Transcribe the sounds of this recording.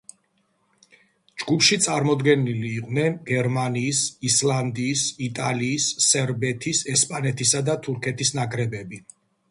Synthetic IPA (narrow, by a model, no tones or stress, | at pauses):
d͡ʒɡupʰʃit̪sʼaɾmɔd̪ɡɛniliːqʼvnɛnɡɛɾmaniːsislˠand̪iːsit̪ʼaliːsːɛɾbɛt̪ʰisɛspʼanɛt̪ʰisad̪at̪ʰuɾkʰɛt̪ʰisnaɡʼɾɛbɛbi